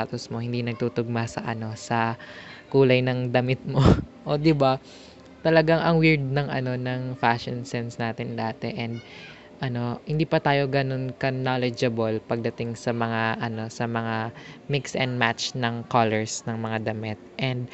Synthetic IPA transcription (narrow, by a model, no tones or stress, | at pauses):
at̪osmo̞hɪnd̪inɐɡ̚t̪uːt̪ʊɡ̚masɐ̰ʔɐno̞sɐkuːlɐjnɐŋd̪ɐmɪt̪̚mo̞ʔod̪ɪba | t̪ɐlɐɡaŋʔɐŋwɪɹd̪̚nɐŋʔɐno̞nɐŋfaʃonsɛnsnaːt̪ɪnd̪aːt̪ɛʔɛnd̪̚ | ʔɐno̞hɪnd̪iːpɐt̪aːjo̞ɡɐno̞nkɐnalɛd͡ʒɐbolpɐɡ̚d̪ɐt̪ɪŋsɐmɐŋaʔɐno̞sɐmɐŋamɪksɛnd̪̚matt͡ʃnɐŋkalɛɹsnɐŋmɐŋad̪ɐmɪt̪̚ʔɛnd̪̚